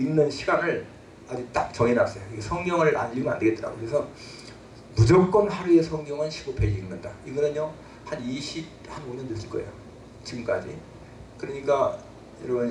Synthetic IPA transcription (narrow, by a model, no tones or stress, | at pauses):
iŋnɯnɕʰiɡanɯɭ | ad͡ʑut͈ak̚t͡ɕʌŋenas͈ʌjokiɡesʰʌŋɲjʌŋɯɭʔa̰nːiɡoa̰ndeɡet͈ɾa̰ɡokɾesʰʌ | mud͡ʑok̚k͈ʌnhaɾue̞sʰʌŋɲjʌŋɯnɕʰiɡopʰeɡiŋnɯndaiɡʌnɯnjo | haniɕʰi | hanoɲʌnːɯs͈ɯɭk͈ʌḛjo̰ | t͡ɕiɡɯmk͈a̰d͡ʑḭ | kɯɾʌɲik͈a | jʌɾʌbʌn